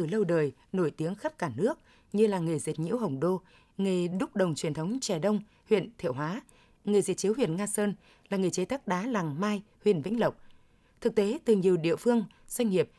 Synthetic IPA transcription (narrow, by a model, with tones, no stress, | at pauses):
ɨ˨˩lə˧wɗəː˨˩j | no˧˩jt̪i˨˦əŋxə˦˥p̚kaː˧˩nɨ˦˥ək̚ | ɲɨ˧laː˨˩ŋɨ˨˩zi˨˩t̚ɲḭ˧˥wɦə˨˩wŋ͡mɗo˧ | ŋe˨˩ɗʊ˦˥k͡p̚ɗə˨˩wŋ͡mt͡ɕwi˨˩ənt̪ʰə˨˦wŋ͡mt͡ɕɛ˧˩ɗə˧wŋ͡m | hwḭ˧˨ənt̪ʰwɦwaː˨˦ | ŋɨ˨˩jzi˨˩t̚t͡ɕi˨˦whwḭ˧˨ənŋaː˧səː˧n | laː˨˩ŋɨ˨˩t͡ɕe˨˦t̪ʰa˦˥k̚ɗaː˨˦la˨˩ŋmaː˧j | hwḭ˧˨ənvḭ˧˥ŋ̟lə˨˩wk͡p̚ | t̪ʰɨ˨˩k̚t̪e˨˦t̪ɨ˨˩ɲi˨˩əwɗḭ˧˨əfɨ˧əŋ | z̥wa˧jŋ̟ŋi˨˩əp̚